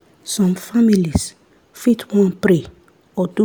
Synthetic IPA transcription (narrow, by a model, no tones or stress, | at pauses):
sɔ̃mfamilis | fitʰwɔ̃npɾe | ɔdu